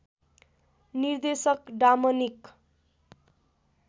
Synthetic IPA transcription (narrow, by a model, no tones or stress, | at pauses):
nird̪esʌkɖamʌnik